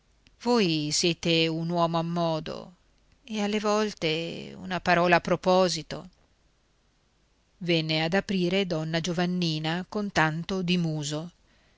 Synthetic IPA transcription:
vojsjɛːt̪eunwɔːmoamːɔːd̪o̰ | ealːevɔlt̪eṵnapaɾɔːlaːpːɾopɔːzit̪o̰ | vɛnːead̪apɾiːɾed̪ɔnːad͡ʒovanːiːnakont̪ant̪od̪imuːzo

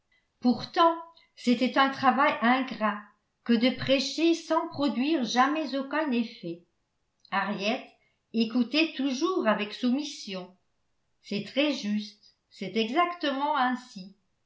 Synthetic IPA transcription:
puʁt̪ɑ̃ | set̪ɛt̪ɛ̃t̪χavajɛ̃ɡʁa | kəd̪əpχeʃesɑ̃pχɔd̪ɥiʁʒamɛzokɛ̃nefɛ | aʁjɛt̪ | ekut̪ɛt̪uʒuːʁavɛksumisjɔ̃ | sɛt̪χɛʒyst̪ | sɛt̪ɛɡzakt̪əmɑ̃ɛ̃si

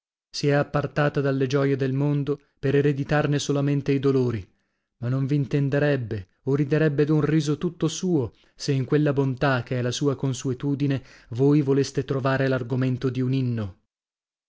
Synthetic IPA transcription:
siɛapːart̪aːt̪ad̪alːed͡ʒɔjed̪elmond̪o | peɾeɾed̪it̪arnesolament̪eid̪oloːɾi | manːoɱviːnt̪end̪eɾɛbːe | orid̪eɾɛbːed̪unriːzot̪ut̪ːosuːo | seiŋkwelːabont̪ak̟ːeɛlasuːakonsuet̪uːd̪ine | voːjvolest̪et̪ɾovaːɾelarɡoment̪od̪iuninːo

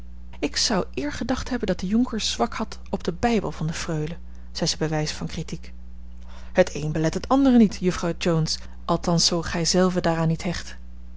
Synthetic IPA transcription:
ɪksɑwʔɪːɹχədɑχtɦɛbəndɑt̚dəjɔŋkəɹz̥ʋɑkhɑt | ɔbdəbɛjbəlˠvɑndəfrøɥlə | z̥ɛjzəbəʋɛjsfɑnkritik | hətʰejnbəlɛtɦətɑndərənitjɵfrɑwd͡ʒowns | ʔɑlˠtɑnsowχɛjzɛlˠvədaːraːnitɦɛχt

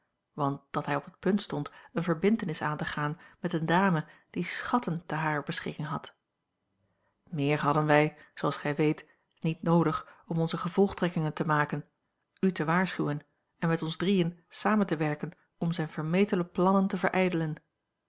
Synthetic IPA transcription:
ʋɑnt̚d̥ɑtɦɛjɔpət̚pɵntstɔntənvəɹbɪntənɪsaːntəχaːnmɛtəndaːməd̥isχɑtəntəɦaːɹbəsχɪkɪŋɦɑ̰t | mɪːɹɦɑdənʋɛjz̥owɑlˠsχɛjʋejt | nitnowdəχɔmɔnzəχəv̥ɔlˠχtrɛkɪŋəntəmaːkən | ytəʋaːɹsχywən | ɛnmɛtɔnzdrijənsaːməntəʋɛɹkən | ɔmzɛjnv̥əɹmejtələplɑnəntəvəɹʔɛjdələn

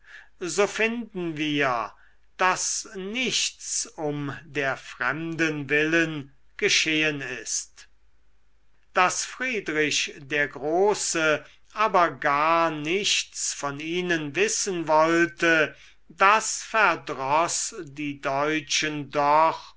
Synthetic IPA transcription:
zoːfɪndn̩viːɐ | d̥asnɪçtst͡sʊmdeːɐfʁ̥ɛmdənvɪlən | ɡ̥əʃeːənɪst | d̥asfʁ̥iːdʁɪʃdeːɐɡʁoːsə | ʔaːbɐɡaːɐnɪçtsfɔniiːnənvɪsənvɔltə | dasfæɐdʁɔsdiːdɔʏt͡ʃəndɔχ

